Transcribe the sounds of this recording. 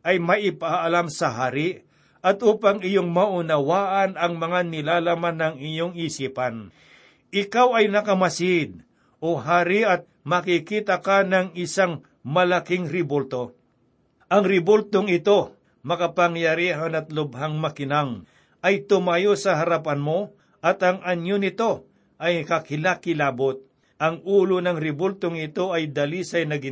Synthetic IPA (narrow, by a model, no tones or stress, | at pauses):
ʔɐjmɐʔɪpaːlamsɐɦaːɾɪʔ | ɐt̪ʔuːpaŋɪjoŋmɐʔʊnɐwaːʔɐnɐŋmɐŋanɪlaːlamanːɐŋɪjoŋisiːpɐn | ɪkawɐjnɐkɐmɐsɪd̪̚ | ʔoɦaːɾɪʔɐt̪̚mɐkɪkiːt̪ɐkanɐŋɪsaŋ | mɐlakɪŋɾɪbolt̪o̞ | ʔɐŋɾɪbolt̪oŋɪt̪o̞ | mɐkɐpɐŋjɐɾiːɦanɐt̪̚lʊbhaŋmɐkɪnaŋ | ʔɐjt̪ʊmajosɐɦɐɾapanmo̞ | ʔɐt̪ɐŋɐɲonɪt̪o̞ | ʔɐjkakɪlakɪlaːbot̪̚ | ʔɐŋuːlonɐŋɾɪbolt̪oŋɪt̪o̞ʔɐjd̪ɐlisɐjnɐɡɪ